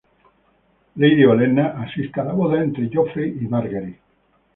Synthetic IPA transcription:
leðiolenːaʔasist̪alaβoðaẽnt̪ɾeʝofɾiʔimaɾɣaɾi

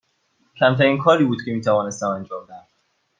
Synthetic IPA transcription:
cʰæmt̪ʰæɾiːnkʰɒːɾiːbuːd̪cʰʲe̞miːt̪ʰævɒːne̞st̪æmænd͡ʒɒːmd̪æm

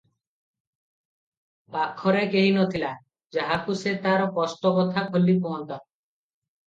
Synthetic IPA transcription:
pakʰːɔɾekeɦinot̪ʰila | d͡ʒaɦakuset̪aɾɔkɔsʈ̪ɔbɔt̪ʰakʰolːipuɔnt̪ɔ

